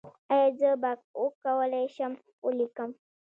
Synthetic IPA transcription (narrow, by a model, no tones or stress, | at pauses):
ajed͡zəbak̚ukawalajʃam | ulikam